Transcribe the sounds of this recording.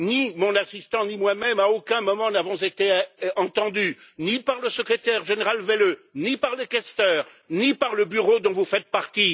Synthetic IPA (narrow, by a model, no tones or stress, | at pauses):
nimɔ̃nasist̪ɑ̃nimwamɛmaokɛ̃mɔmɑ̃navɔ̃zet̪eɑ̃t̪ɑ̃d̪ynipaʁləsəkχet̪ɛʁʒeneʁalvelønipaʁlekɛst̪œːʁ | nipaʁləbyʁod̪ɔ̃vufɛt̪̚paʁt̪i